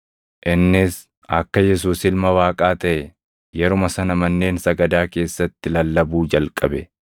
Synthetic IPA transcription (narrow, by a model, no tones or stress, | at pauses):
ʔɪnːɪs | ɐkːɐjɛs̬uːsɪlmɐwaːkʼaːt̪ɐʔɛ | jɛɾʊmɐsɐnɐmɐnːe̞ːnsɐɡɐd̪aːke̞ːsːɐt̪ːɪlɐlːɐbuːd͡ʒɐlkʼɐbɛ